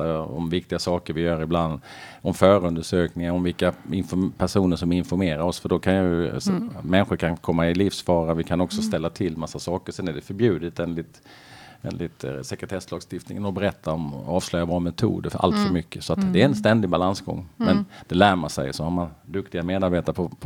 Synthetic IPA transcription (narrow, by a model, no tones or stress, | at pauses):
aɔ̰mvɪkt̪ɪɡasɑːkəɾvɪjœːɾɪbland̪ɔmfœːɾɵnd̪əʂøːknɪŋaɔmvɪlkaɪnfɔpʰæʂuːnəʂɔmɪnfɔɾmeːɾaɾɔsfœɖɔkʰanjɵ̰sɔmɛnɧʊɾkʰankʰɔmːaɪliːfsfɑːɾavɪkʰanɔksɔst̪ɛlːat̪ʰɪlːmasːasɑːkəsɛnæɖɛfœɾbjʉ̟ːd̪ɪt̪eːnlɪt̪ | ḛːnlɪt̪sɛkɾət̪ʰɛslɑːɡst̪ɪft̪nɪ̰ŋənɔbɛɾɛt̪ʰːaɔmɑːvslœjabɑːmɛt̪ʰṵːd̪əa̰lt̪fœɾmʏkːəsɔat̪d̪ɛæɾɛnst̪ɛnd̪ɪɡbalansɡɔ̰ŋːmɛnd̪̥ɛlæːɾmansɛ̰jsɔhaɾmand̪ɵkt̪ɪɡameːd̪aɾbeːt̪aɾəpʰɔpʰ